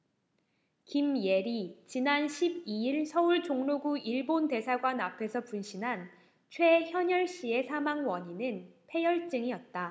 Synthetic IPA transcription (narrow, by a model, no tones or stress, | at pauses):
kimje̞ɾit͡ɕinanɕʰib̚iiɭsʰʌuɭt͡ɕoŋnoɡuiɭbonte̞sʰaɡwanapʰe̞sʰʌpunɕʰinɦan | t͡ɕʰwe̞çjʌɲʌɭɕ͈ie̞sʰamaŋwʌɲinɯnpʰe̞jʌɭt͡ɕ͈ɯŋiʌt̚t͈a